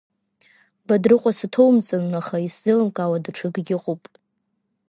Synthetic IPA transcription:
badrɨqʷʼasatʰowmt͡sʼɨnːaχaiszɨlɨmkʼawadaʈ͡ʂʰɨɡɡʲɪqʼopʼ

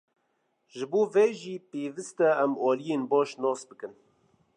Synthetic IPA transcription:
ʒɨboːvɛʒiːpeːvɨst̪ɛɛmɑːlijeːnbɑːʃnɑːsbɨkɨn

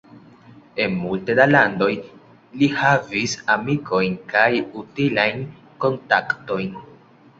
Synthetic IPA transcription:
e̞nmultedalando̞j | lihavisamikʰo̞jnkajutilajn | ko̞ntakto̞jn

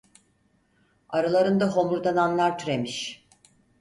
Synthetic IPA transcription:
aɾalˠaɾɯnd̪aɦo̞muɾd̪ananlˠaɾt̪ʰyɾemiʃ

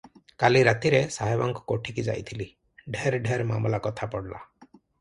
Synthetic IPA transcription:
kaliɾat̪iɾesaɦajbaŋkɔ̥koʈʰikid͡ʒa̰jt̪ʰili | ɖʱeɾɖʱeɾma̰mlakɔt̪ʰapɔɽlʔa̰

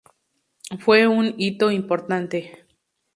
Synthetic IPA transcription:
fweunit̪oimpoɾt̪ant̪e

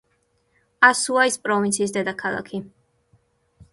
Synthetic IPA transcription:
asuaispʼɾɔvint̪sʰiːs̬d̪ɛd̪akʰalˠa̰kʰi

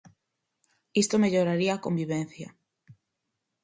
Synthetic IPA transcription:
ist̪omeʎoɾaɾiaːkombiβ̞en̟θjɐ̰

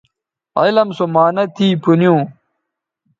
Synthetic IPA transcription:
ɐ̰lɐmsomaːnɐt̪ʰiːpunjũː

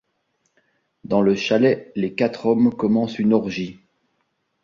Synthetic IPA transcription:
d̪ɑ̃ləʃalɛlekat̪χɔmkɔmɑ̃synɔʁʒi

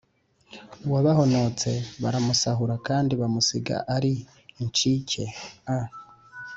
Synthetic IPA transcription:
waβaho̞no̞t͡se̞βaɾamusaɦuɾakaːndiβamusiɡa̰ʔaɾiː | nt͡ʃicʰe̞a

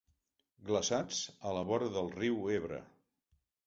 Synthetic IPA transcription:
ɡləsad͡zələβɔɾðəlˠriweβɾə̰

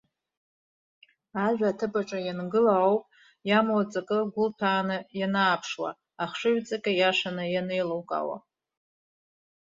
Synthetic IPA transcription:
aʒᶣaːtʰɨbaʈ͡ʂʼajanɡɨlaawpʼ | jamwat͡sʼakʼɨɡʷʊltʰaːnɨjanaːpʰʂwa̰ | aχʂɨɥt͡sʼakʲʼajaʂanɨjanejlowkʼa̰wa̰

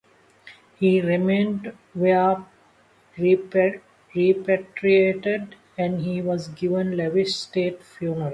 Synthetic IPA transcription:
hiːɾimẽːnɖ | ʋep | ɾi | ɾipæʈɾieːʈeɖ | ɛ̃ɳɖhiːʋɔzɡɪʋə̃nlɛʋɪʃsʈeːʈfjũːməɾ

